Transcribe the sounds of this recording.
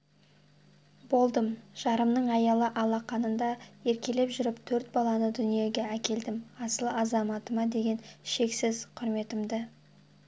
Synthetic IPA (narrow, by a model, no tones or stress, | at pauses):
bo̞lˠd̪əmʒ̥ɑɾəmnəɴɑjɑlˠəʔɑlˠɑqɑnənd̪ɑe̞ɾkʲe̞le̞pʒʏɾɪpt̪ʰɵɾt̪̚bɑlˠɑnəd̪ʏnije̞ɡʲe̞ækʲe̞ld̪ɪmɑsəlˠɑzɑmɑt̪əmɑd̪e̞ɡʲe̞nʃe̞ksɪzqʰʊɾme̞t̪ɪmd̪ɪ